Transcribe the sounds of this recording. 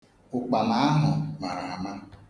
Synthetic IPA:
ʊ˨k͡pa˨ma˨˦a˦ɦʊ˨ma˨ɾa˨a˨ma˦

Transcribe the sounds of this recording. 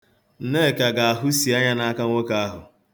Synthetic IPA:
n̩˨ne˦˨ka˨ɡa˨a˨ɦʊ˦si˨a˦ɲa˦na˦a˦ka˦ŋʷo˦ka˦a˦ɦʊ̰˨

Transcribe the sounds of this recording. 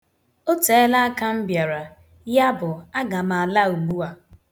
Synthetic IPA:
o˦te˨˦la˦a˦ka˦m̩˦bja˨ɾa˨ | ja˦bʊ˨a˦ɡa˨ma˨la˦u˨ɡ͡bu˦a˨

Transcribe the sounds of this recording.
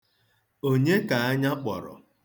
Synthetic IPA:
o˦ɲe˦ka˨a˦ɲa˦k͡pɔ̰˨ɾɔ̰˨

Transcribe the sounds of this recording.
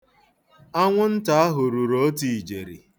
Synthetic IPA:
a˦ŋʷʊ˦n̩˦ta˨a˦ɦʊ˨ɾu˨ɾo˦ti˨i˨d͡ʒe˨ɾḭ˨

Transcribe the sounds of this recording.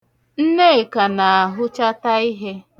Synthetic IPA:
n̩˦ne˦e˨ka˨na˨a˨ɦʊ˦t͡ʃa˦ta˦i˦ɦe˦

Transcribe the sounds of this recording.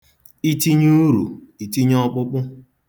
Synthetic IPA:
i˦ti˦ɲu˦ɾṵ˨i˨ti˦ɲ˦ɔ˦k͡pʊ˦k͡pʊ˦

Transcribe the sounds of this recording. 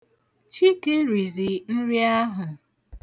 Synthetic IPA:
t͡ʃi˦ke˦ɾi˨zi˨n̩˦ɾi˦a˦ɦʊ˨

